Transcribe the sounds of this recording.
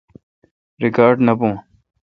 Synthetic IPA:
ɾikaːɾɖnɐpõː

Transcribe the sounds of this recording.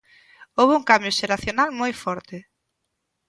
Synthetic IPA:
owβʊuŋkambjʊʃeɾaθjonalmojfɔɾt̪ɪ

